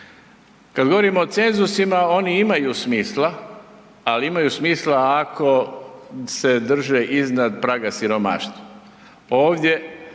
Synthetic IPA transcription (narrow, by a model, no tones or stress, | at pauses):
kad̪ɡo̞ʋo̞ɾimoːt̪se̞nzusimao̞niimajusmiːslˠa | aliimajuːsmiːslaːkʰo̞ | se̞d̪r̩ʒeʔiznad̪pɾaːɡasiɾo̞ma̰ːʃt̪ʋo | o̞ːʋd̪je̞